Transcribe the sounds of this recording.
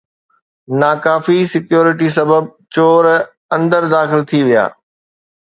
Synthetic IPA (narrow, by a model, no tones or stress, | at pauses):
naːkaːfisɪkjoːɾɪʈis̬ɐbəb̚t͡ɕoːɾ | ɐ̃nd̪əɾd̪aːxɪlt̪ʰiʋija̰ː